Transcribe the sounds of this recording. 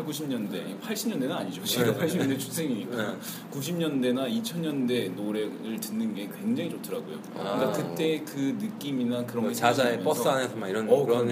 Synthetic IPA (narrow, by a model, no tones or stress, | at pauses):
kuɕʰimɲʌnde̞̰ | pʰaɭɕ͈ʰimɲʌndenɯnaɲid͡ʑoiapʰaɭɕʰimʌndet͡ɕʰu̥sʰe̞ŋiɲika | kuɕ̬ʰimɲʌnde̞nait͡ɕʰʌnɲʌnde̞noɾe̞ɯɭtɯnːɯnɡe̞kwe̞ŋd͡ʑaŋit͡ɕotʰɯɾaɡo̰jo̰ | kakɯt͈e̞kɯnɯk͈iminakɯɾʌŋɡead͡ʑaejp͈ʌs͈ɯanesʰʌmaiɾʌnʌ